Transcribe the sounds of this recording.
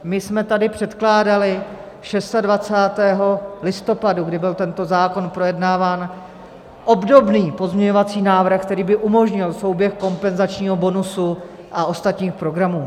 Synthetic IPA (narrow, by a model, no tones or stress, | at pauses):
mɪsmɛt̪adɪpr̝̥ɛt̪klaːdalɪ | ʃɛst̪advat͡saːt̪ɛːɦo̞lɪst̪o̞paduɡdɪbɪlt̪ɛnt̪o̞zaːko̞npɾo̞jɛdnaːvaːn | ʔo̞bdo̞bniːpo̞zɲɛɲo̞vat͡siːnaːvr̩xkt̪ɛɾiːbɪʔumo̞ʒɲɪlso̞wbjɛxko̞mpɛnzat͡ʃɲiːɦo̞bo̞nusu | ʔao̞st̪at̪ɲiːxpɾo̞ɡɾamuː